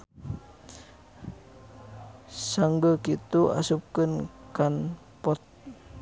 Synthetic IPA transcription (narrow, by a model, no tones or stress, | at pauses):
saŋɡəkit̪ua̰sup̚kənkan | pɔt̪̚